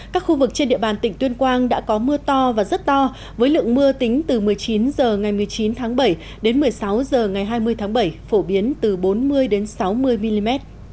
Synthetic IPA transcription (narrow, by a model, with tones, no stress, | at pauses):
kaː˦˥k̚xu˧vɨ˨˩k̚t͡ɕe˧nɗḭ˧˨əɓaː˨˩nt̪ï˧˩ŋ̟t̪wi˧ənkwaː˧nɗa̰ː˧˥kɔ˨˦mɨ˧ət̪ɔ˧vaː˨˩zə˦˥t̚t̪ɔ˧ | vəː˨˦jlɨ̰˧˨əŋmɨ˧ət̪ï˨˦ŋ̟t̪ɨ˨˩mɨ˨˩əjt͡ɕi˨˦nzəː˨˩ŋa˨˩jmɨ˨˩əjt͡ɕi˨˦nt̪ʰaː˨˦ŋɓə˧˩j | ɗe˨˦nmɨ˨˩əjsa˨˦wzəː˨˩ŋa˨˩jɦaː˧jmɨ˧əjt̪ʰaː˨˦ŋɓə˧˩jfo˧˩ɓi˨˦ənt̪ɨ˨˩ɓo˨˦nmɨ˧əjɗe˨˦nsa˨˦wmɨ˧əjmi˧li˧mɛ˦˥t̚